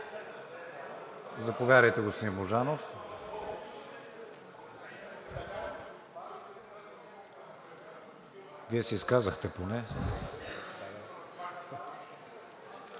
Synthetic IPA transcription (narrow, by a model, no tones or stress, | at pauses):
zɐpovʲjad̪əjt̪ɛɡosimoʒanof | viɛsɛiskazəxt̪ɛponɛ